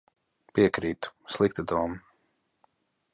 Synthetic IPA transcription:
piɛkɾiːt̪u̥slˠik̚t̪ad̪uɔm

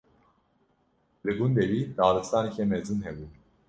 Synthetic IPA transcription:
lɨɡund̪ɛvid̪aːlɨfst̪aniçʰɛmɛzɨnɦɛbu

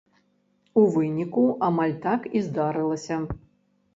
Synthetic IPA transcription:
uvɨnʲikuʔamalʲt̪akizd̪aɾɨlˠɐsʲɐ

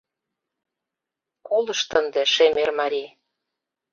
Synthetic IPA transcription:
kulɤ̆ʃt̪ə̆nd̪ĕʃemermɑɾʲi

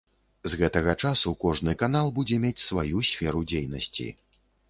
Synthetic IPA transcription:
zɣɛt̪ɐɣɐt͡ʂasukɔʐnɨkanalˠbud͡zʲɛmʲet͡sʲsvajusʲfʲɛɾud͡zʲejn̪ɐ̰sʲt͡sʲḭ

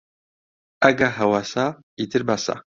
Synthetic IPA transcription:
aɡaɦawasa | it̪ʰɨɾbasa̰

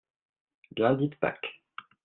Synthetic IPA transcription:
ɡlɛ̃d̪it̪pa̰k

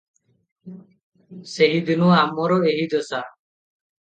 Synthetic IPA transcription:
seɦid̪inuamɔɾɔeɦid̪ɔsa

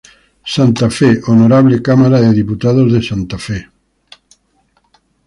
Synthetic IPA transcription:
sant̪afeʔonoɾaβlekamaɾaðeðiput̪aðozðesant̪afɛ

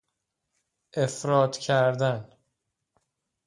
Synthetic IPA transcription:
ʔefɾɒːt̪ʰcʰæɾd̪æn

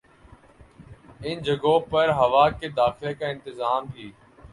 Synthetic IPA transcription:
ɪnd͡ʒʱəɡõːpəɾɦəʋaːkeːd̪aːxɪlekãːɪ̃nt̪ɪzaːmɦiː

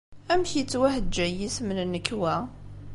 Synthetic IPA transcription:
æmçit͡sːwæhəd͡ʒːæjismənnːəkːwæ

